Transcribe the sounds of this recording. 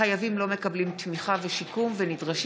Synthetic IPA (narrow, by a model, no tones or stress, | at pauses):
ajavimlo̞me̞kablimt̪miχaveʃikumvenidʁaʃ